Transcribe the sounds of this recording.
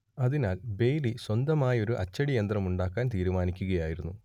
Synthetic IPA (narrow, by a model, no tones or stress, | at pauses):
ɐðinaːlbe̞jliswɐnd̪ɐmaːjɐo̞ɾuʔɐt͡ɕːɐɽijɐnd̪rɐmuɳɖaːkːaːnt̪iːɾumaːnikʲːuɣɐjaːjiɾunːu